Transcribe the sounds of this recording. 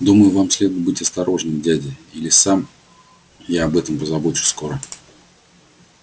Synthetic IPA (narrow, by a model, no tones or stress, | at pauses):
d̪uməjʊvamsʲlʲe̞d̪ʊɪt̚ʲbɨtʲɐst̪ɐɾo̞ʐnɨmdʲædʲɪilʲɪsam | jaɐbɛt̪əmpəzɐbo̞t͡ɕʊ̥sko̞ɾə